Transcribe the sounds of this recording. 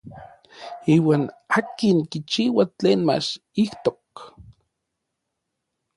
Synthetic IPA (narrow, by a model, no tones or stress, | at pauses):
iːwaːnaːkinkit͡ʃiːwat͡ɬeːnma̰t͡ʃ | iht̪ok